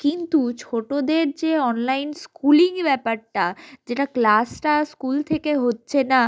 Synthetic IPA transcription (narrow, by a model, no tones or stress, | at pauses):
kint̪ut͡ɕʰoʈod̪eɾd͡ʑeɔnlajnskuliŋbɛpaɾʈad͡ʑeʈaklasʈaskult̪ʰekeɦotːɕʰena